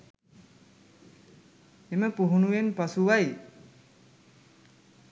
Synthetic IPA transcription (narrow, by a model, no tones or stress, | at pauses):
eməpuɦunuʋenpasuʋaj